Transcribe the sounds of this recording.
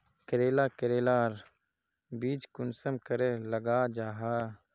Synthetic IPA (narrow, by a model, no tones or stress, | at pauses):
kəɾeːlaːkəɾeːlaːɾ | biːt͡ʃkʊnsəmkəɾeləɡaːd͡ʒaːɦaː